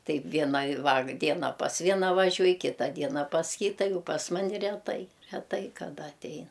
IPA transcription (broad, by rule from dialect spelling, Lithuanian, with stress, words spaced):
ˈtɐɪ ˈʋʲiɛnɐ ʋɐk ˈdʲiɛnɐ pɐs ˈʋʲiɛnɐ ʋɐˈʒʲuɔj ˈkʲiːtɐ ˈdʲiɛnɐ pɐs ˈkʲiːtɐ ˈjɛʊ pɐs ˈmɑːnʲɪ rʲɛtˈɐɪ rʲɛˈtɐɪ kɐˈdɐ ɐtʲˈɛɪ